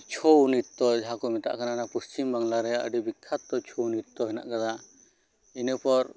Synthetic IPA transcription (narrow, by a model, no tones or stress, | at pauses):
t͡ʃʰɔwnit̪t̪ɔd͡ʒaɦakɔmɛt̪a̰ʔkananapust͡ʃimbaŋlaɾɛaʔə̰ɖibikʰːat̪ːɔt͡ʃʰɔwnit̪̚t̪ɔɦɛna̰ʔkad̪a | inəpɔɾ